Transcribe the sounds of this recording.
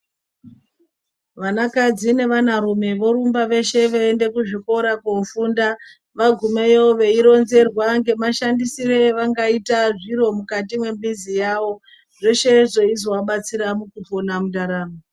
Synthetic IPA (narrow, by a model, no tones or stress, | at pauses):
ʋanakad͡zine̞ʋanaɾume̞ʋo̞ɾumbaʋe̞ʃe̞ʋeende̞kuʐiko̞ɾakofuːnda | ʋaɡʱumejo̞ʋe̞iɾo̞nze̞rwaŋɡe̞maʃandisire̞ʋaŋɡaitaʐiɾo̞mukatimwe̞mbizijaʋo̞ | ʐe̞ʃe̞ʐo̞izowaɓat͡siɾamukuponamudaɾaːmo